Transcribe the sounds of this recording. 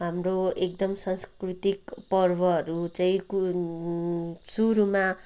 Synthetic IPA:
ɦamroek̚d̪ʌmsanskrit̪ikpʌrbʌɦʌɾut͡saĩku | suɾuma

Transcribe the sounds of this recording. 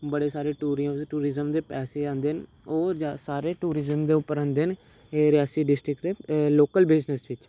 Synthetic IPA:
bəɽeːsaːɾeːʈuːɾ̃ʈuːɾɪzəmd̪eːpɛːseːãːnd̪eːɦən | oːɾd͡ʒasaːɾeːʈuːɾɪzəmd̪eːʊpːəɾãːnd̪eːɦən | eːɾɪjaːsiːɖɪsʈɾɪkd̪eːloːkəlbeːd͡ʒnəsʋɪt͡ʃ

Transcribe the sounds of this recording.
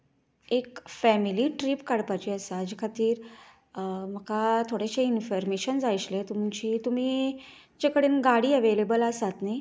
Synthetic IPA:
ekfɛmiliːʈɾiːpkaɽpat͡ɕiəsad͡ʑekʰat̪iːɾ | m̤əkat̪ʰoɽeɕeinfəɾmeɕənd͡zajt͡ɕlet̪umt͡ɕiːt̪um̤iː | d͡ʑekəɽiːnɡaɽiːəʋelebəlasat̪ni

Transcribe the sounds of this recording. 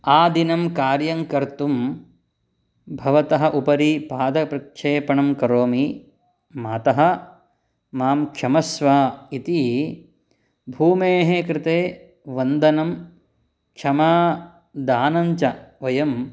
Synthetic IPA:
aːd̪inɐmkaːɾjɐŋkɐɾt̪um | bʱɐʋɐt̪ɐɦɐ̆ʔupɐɾipaːd̪ɐpɾɐkʂeːpɐɳɐmkɐɾoːmi | maːt̪ɐɦɐ̆ | maːmkʃɐmɐsʋaːit̪i | bʱuːmeːɦekɾɪt̪eː | ʋɐnd̪ɐnɐm | kʃɐmaː | d̪aːnɐɲt͡ʃɐʋɐjɐm

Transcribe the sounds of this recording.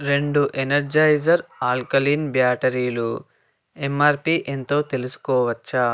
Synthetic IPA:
ɾe̞ɳɖuʔenɐɾd͡ʒɐjd͡ʒɐɾaːlkɐliːnbjaːʈɐɾiːlu | emaːɾpiːʔent̪o̞ːt̪e̞lusu̥kɔːʋɐt͡ʃːa

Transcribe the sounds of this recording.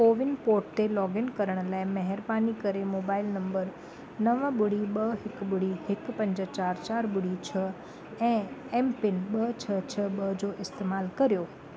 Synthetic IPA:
koːʋɪnpoːɾʈ̚t̪elɔːɡɪnkɐɾəɽ̃̆laːɪmɐɦɪɾbaːnikɐɾemoːbaːɪlnɐ̃mbəɾ | nɐʋəɓʊɽ̤iɓɐɦɪkɓʊɽ̤ihɪk̆pɐ̃ɲd͡ʑət͡ɕaːɾt͡ɕaːɾɓʊɽ̤it͡ɕʰɐ | ɛ̃ːɛːmpɪnɓɐt͡ɕʰɐt͡ɕʰɐɓɐd͡ʑoːʔɪst̪eːmaːlkɐɾijoː

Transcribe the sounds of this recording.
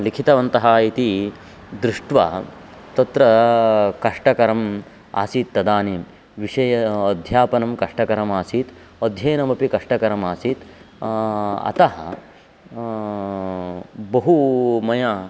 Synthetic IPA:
likʰit̪ɐʋɐnt̪ɐɦɐit̪i | d̪ɾɪʂʈʋa̰ː | t̪ɐt̪ɾɐkɐʂʈɐkɐɾɐm | a̰ːsiːt̪ːɐd̪aːniːm | ʋiʂɐjɐɐd̪ʱjaːpɐnɐmkɐʂʈɐkɐɾɐmaːsiːt̪ | od̪ʱjɐːnɐmɐpikɐʂʈɐkɐɾɐmaːsiːt̪ | ɐ̰t̪ɐɦɐ̰ | bɐɦumɐja

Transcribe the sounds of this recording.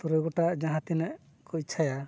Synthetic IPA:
t̪uɾɛɡɔʈaʔd͡ʒãɦãt̪inɛʔ | kɔit͡ʃʰaja

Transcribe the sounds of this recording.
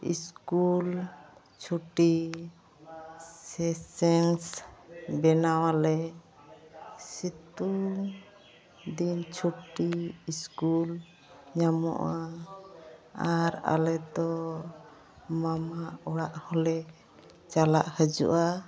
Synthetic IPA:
ḭskul | t͡ʃʰuʈi | sɛsɛŋsbɛnawalɛ | sit̪uŋ | d̪int͡ʃʰuʈiiskul | ɲamɔ̰ʔa | aɾa̰lɛd̪ɔ | mamaɔɽaʔhɔlɛ | t͡ʃalaʔhəd͡ʒṵʔa

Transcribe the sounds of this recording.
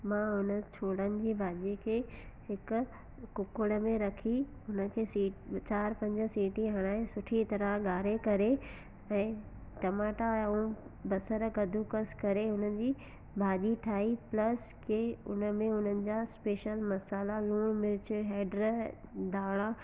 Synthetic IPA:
mãːʊnə̆t͡ɕʰoːɽənɪ̆d͡ʑiːbʱaːʄikʰeːɦɪkʊ | ʊkʊɽə̆mẽɾɐkʰiʊnə̆kʰeːsiːʈt͡ɕaːɾpɐ̃ɲd͡ʑə̆siːʈiɦaɽ̃aːẽsʊʈʰit̪ɐɾəɠaːɾekɐɾe | ɛ̃ː | ʈɐmaːʈaũbɐsəɾɡɐd̪ʱukəskɐɾeʊnəd͡ʑiː | bʱaːʄiʈʰaːiplɐs | kʰeːʊ̰nəmẽʊn̤ənɪ̆d͡ʑaːspeːʃəlmɐsaːlalũːmɪɾɪt͡ɕːɦɛːɖɾ | d̪aːɽ̃a

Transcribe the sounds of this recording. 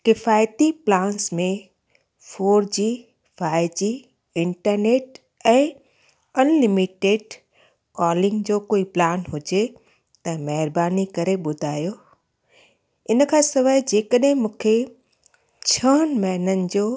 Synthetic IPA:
kɪfaːjt̪iplãːnsmẽ | foːɾd͡ʑiː | faːɪd͡ʑi | ɪ̃ɳʈəɾneːʈ | ɛ̃ː | ɐnlɪmiʈeːɖ | kɔːlɪ̃ŋɡd͡ʑoːkoːiplaːnɦʊd͡ʑe | t̪ɐmɐɦɪɾbaːnikɐɾeɓʊd̪ʱaːjo | ɪn̆kʰãːsɐʋaːɪd͡ʑeːkəɗɦɪ̃mũːkʰe | t͡ɕʰəːnmɐɦnənɪ̆d͡ʑoː

